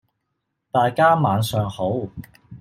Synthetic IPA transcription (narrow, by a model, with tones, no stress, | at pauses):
t̪aː˨jkaː˥maː˨˧nsœː˨ŋho˨˥w